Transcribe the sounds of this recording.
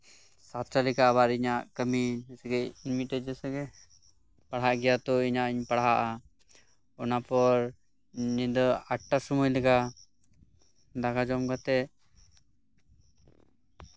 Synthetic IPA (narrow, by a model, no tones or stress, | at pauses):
sat̪ɾalɛkaːβaɾiɲaʔkəmiɛsɛɡɛinmiʈɛd͡ʒɛsɛɡɛ | paɽɦaʔɡɛjat̪ɔiɲaʔiɲpaɽɦaʔa | ɔnapɔɾ | nid̪ɔaʈːasumujlɛka | d̪akad͡ʒɔmɡat̪ɛ